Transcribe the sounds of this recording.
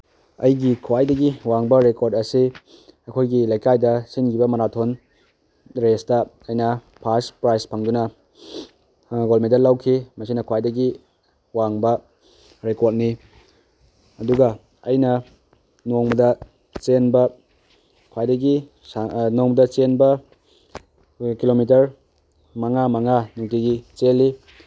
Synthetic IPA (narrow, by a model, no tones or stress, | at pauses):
ɐ̰jɡikʰuwajdɐɡiwaŋbɐɾekoɾdɐsi | ɐkʰojɡilɐjkajdɐsinkibɐmɐɾatʰon | ɾestɐɐjnɐ | pʰaspɾajspʰɐŋdunɐ | ɡolmentdɐlawkʰimɐsinɐkʰuwajdɐɡi | waŋbɐ | ɾekot̚ni | ɐduɡɐ | ɐjnɐ | noŋbɐdɐ | t͡ʃenbɐ | kʰwajdɐɡi | anoŋbɐdɐt͡ʃenbɐ | kilomit̬ɐɾ | mɐŋamɐŋanuŋtiɡit͡ʃelːi